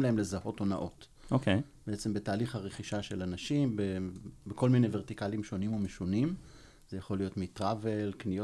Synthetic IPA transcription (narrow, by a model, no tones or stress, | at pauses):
mlaɦe̞mle̞zaho̞to̞na̰ʔo̞t | okejbeet͡se̞mbetaːliχhaʁeχiʃaʃe̞lanaʃimbebeko̞lmine̞jveʁtikalimʃo̞nimomeʃunim | z̥ejaχo̞lijo̞tmitʁavelknijo